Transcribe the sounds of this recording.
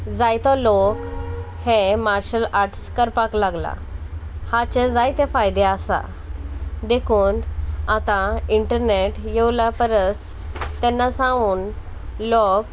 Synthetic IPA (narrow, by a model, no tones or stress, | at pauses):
d͡zajt̪ɔlok | hemaɾɕəlaɾʈskəɾpaklaɡla̰hat͡ɕed͡zajt̪efajd̪easa̰ | d̪ekʰuːnat̪ãiɳʈəɾneʈjewlapəɾəs | t̪ɛnːasãuːn | lɔk